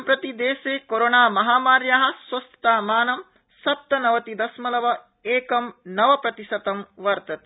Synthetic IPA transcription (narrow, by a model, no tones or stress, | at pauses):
mpɾɐt̪id̪eːseːkoɾonaːmɐɦaːmaːɾjaːɦɐ̆sʋɐst̪ɐt̪aːmaːnɐm | sɐp̚t̪ɐnɐʋɐt̪id̪ɐsmɐlɐʋɐ | eːkɐmnɐʋɐpɾɐt̪isɐt̪ɐmʋɐɾt̪ɐt̪i̥